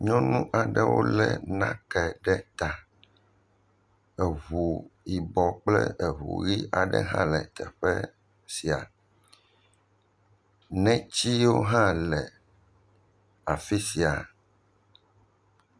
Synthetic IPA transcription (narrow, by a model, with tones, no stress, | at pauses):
ɲɔ̃˦nũ˦ʔa˨ɖɛ˦wo̰˦lɛ˨nã̰˦kɛ˨ɖɛ˦t̪a˨ | ɛ˨βu˨i˨bɔ˨k͡plɛ˦ɛ˨ɦṵ˨ɣi˦ʔa˨ɖɛ̰˦ɦã̰˦lɛ˨t̪ɛ˨ɸɛ˦ | si˨a̰˨ | nɛ̃˦t͡ɕi˦wo˦ɦã˦lɛ˨ | a˨fi˦si˨a˨